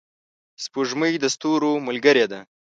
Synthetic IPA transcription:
spuʐməjd̪əst̪uɾomʊlɡəɾed̪a

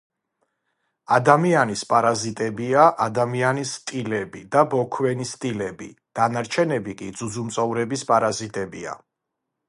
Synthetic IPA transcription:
ad̪amianispʼaɾazit̪ʼɛbiaʔad̪amianist̪ʼilɛbid̪abɔkʰwɛnist̪ʼilɛbḭd̪̥anaɾt͡ʃʰɛnɛbikʼid̪zud̪zumt̪sʼɔvɾɛbispʼaɾazit̪ʼɛbḭa̰

